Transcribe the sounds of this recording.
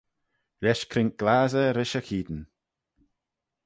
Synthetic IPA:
lʲɛʃkʰɾɪŋk̚ɡ̥laːzəɾɪʃəkʰiːd̪ən

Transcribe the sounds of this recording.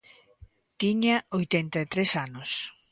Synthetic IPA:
t̪iɲaojt̪ɛnt̪aet̪ɾesanos

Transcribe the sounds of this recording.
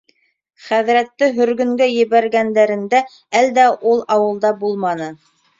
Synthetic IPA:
χæðɾæt̪ːɘɦɵ̆ɾɡɵ̆ŋɡæjɘ̆βæɾɡænd̪æɾɘ̆nd̪æ | æld̪æʔulˠɑwɤ̆lˠd̪ɑbulˠmɑnɤ

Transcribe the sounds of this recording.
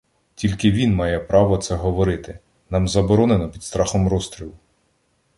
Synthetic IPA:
tʲilʲkɪʋʲinmɑjɛpɾɑʋɔt̪sɛɦɔʋɔɾɪt̪ɪ | nɑmzɐbɔɾɔnenɔpʲid̪st̪ɾɑxɔmrɔst̪ɾʲilˠʊ

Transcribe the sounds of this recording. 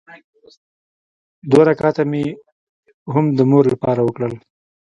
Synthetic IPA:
d̪waɾakɑt̪ame | ɦʊmd̪əmoɾlapɑɾawəkɽəl

